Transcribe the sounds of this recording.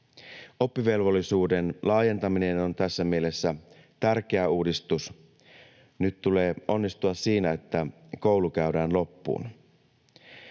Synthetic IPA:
o̞pːiʋe̞lʋo̞lːisuːde̞nlʔɑːje̞nt̪ɑmine̞no̞nt̪æsːæmielesːæ | t̪ærk̟e̞æuːdist̪us | nyt̪t̪ule̞ːo̞nːist̪uɑssiːnæe̞t̪ːæko̞wlukæyɥdæːnlo̞pːṵːn

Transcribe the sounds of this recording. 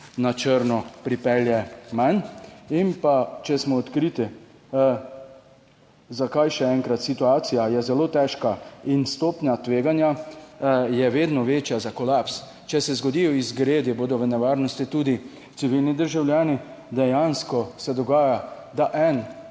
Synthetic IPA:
nat͡ʃəɾnɔpɾipɛljɛmaninpat͡ʃɛsmɔːt̪kɾiːt̪i | zakajʃɛɛŋkɾat̪sit̪uaːt̪sijajɛzɛloːt̪ɛʃkainst̪oːpnʲjat̪ʋeːɡanja | jɛʋeːd̪nɔʋeːt͡ʃjazakɔlaps | t͡ʃɛsɛzɡɔd̪ijɔizɡɾeːd̪iboːd̪ɔʋənɛʋaːɾnɔst̪it̪uːd̪i | t̪iʋilnid̪əɾʒawljaːni | d̪ɛjanskɔsɛd̪ɔɡaːja | d̪aʔɛn

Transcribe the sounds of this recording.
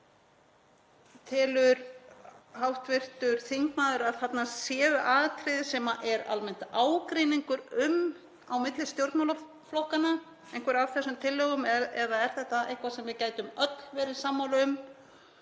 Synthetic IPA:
t̪ʰɪːlʏɾ | hawht̪vɪr̥t̪ʏɾ̥θiŋkmaːðʏɾaðθat̪nasjɛːvʏʔaːðt̪ʰɾɪðɪsɛːmaʔɛɾa̰lmɛn̥t̪aːwkɾiniŋkʏɾʏm | awmɪt̪lɪst̪jowɾt̪nmala | flowhkana | ejŋ̥kvɛɾaθɛsːʏmt̪ʰɪlːœːɣʏmɛðaðɛɾ̥θɛht̪ːaʔehkvasɛmvɪðcaːjt̪ʏmœt̪lvɛɾɪsamːawlʏʏm

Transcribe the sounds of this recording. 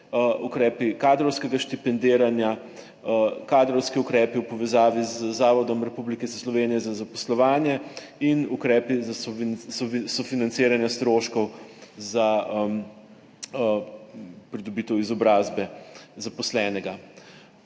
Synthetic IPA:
ʔukɾɛːpikaːd̪ɾɔwskɛɡaʃt̪ipɛnd̪eːɾanja | kad̪ɾɔwskiukɾɛːpiwpɔʋɛzaːʋizːaːʋɔd̪ɔmɾɛpublikɛsslɔʋeːnijɛzazapɔslɔʋaːnjɛ | inukɾɛːpiz | sɔfinant̪seːɾanjast̪ɾoːʃkɔwzaəm | pɾid̪ɔbit̪ɛwizɔbɾaːzbɛzapɔslɛnɛɡa

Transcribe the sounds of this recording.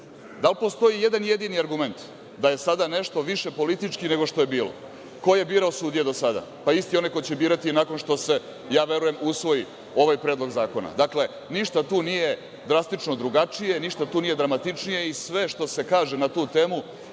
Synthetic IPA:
d̪alˠpo̞st̪o̞jijed̪anje̞d̪iniaɾɡume̞nt̪ | d̪aje̞sad̪ane̞ʃt̪o̞ʋiʃe̞po̞lit̪it͡ʃkine̞ɡo̞ʃt̪o̞je̞biːlo̰ | ko̞je̞biːɾaosuːd̪ijed̪o̞sad̪a̰paist̪ijonajko̞jt͡ɕebiːɾat̪inako̞nʃt̪o̞se̞ | jaːʋe̞ɾuje̞musʋo̞ji | o̞ʋajpɾed̪lˠo̞ɡzaːko̞na̰d̪akle̞ | niʃt̪at̪uːnije̞ | d̪ɾast̪it͡ʃnod̪ɾuɡat͡ʂije̞niʃt̪at̪uːnije̞d̪ɾamat̪it͡ʂnije̞isʋe̞ʃt̪o̞se̞kaːʒe̞nat̪uːt̪e̞ːmu

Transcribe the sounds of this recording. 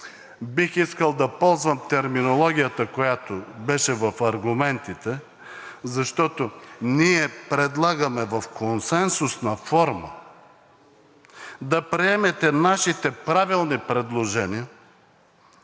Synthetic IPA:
bixiskəlˠd̪ɐpɔlˠzvəmt̪ɛɾminolˠɔɡʲijət̪əkojat̪obɛʃɛvɐfɐɾɡʊmɛnt̪it̪ɛ | zɐʃt̪ɔt̪oniɛpɾɛd̪lˠaɡɐmɛvɐfkonsɛnsʊsnɐfɔɾmə̰ | d̪ɐpɾiɛmɛt̪ɛnaʃit̪ɛpɾavilˠnipɾɛd̪lˠoʒɛnijə

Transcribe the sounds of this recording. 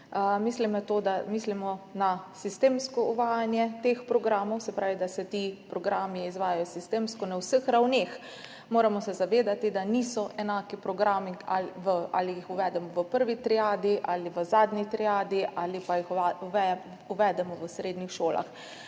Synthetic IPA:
əmislimnat̪oːd̪amislimɔnasist̪eːmskɔuʋaːjanjɛt̪expɾɔɡɾaːmɔwsɛpɾaːʋid̪asɛt̪ipɾɔɡɾaːmiizʋaːjajɔsist̪eːmskɔnawsəxɾawneːx | moːɾamɔsɛzaʋeːd̪at̪id̪anisɔʔɛnaːkipɾɔɡɾaːmialʋəʔa̰lijixuʋɛːd̪ɛmɔʋəpəɾʋit̪ɾiaːd̪iʔaːliʋəzaːd̪nit̪ɾijaːd̪iʔʔaːlipajixuɛ | uʋɛd̪ɛmɔʋəsɾeːd̪nixʃoːla̰x

